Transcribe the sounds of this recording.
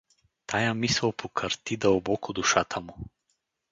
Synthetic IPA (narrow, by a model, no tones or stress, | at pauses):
t̪ajamisɛwpʰokʰaɾt̪id̪ɐbɔkod̪uʃat̪ʰamu